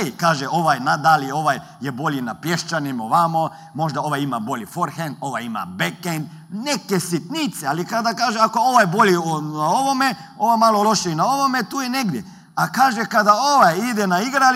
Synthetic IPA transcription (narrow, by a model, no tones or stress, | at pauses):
kaːʒeo̞ʋajnad̪alio̞ʋaj | jebo̞lʲinapjeʃt͡ʃanimoʋamo | mo̞ʒd̪ao̞ʋajimabo̞lifoɾxend̪o̞ʋajima̰bekend̪ | nekesit̪nit̪sealikad̪akaːʒeakooʋajbolinao̞ʋomeo̞ʋamalolˠo̞ʃejenao̞ʋomet̪uːjeneɡd̪je | akaːʒekad̪aoʋajid̪ɛnaiɡɾal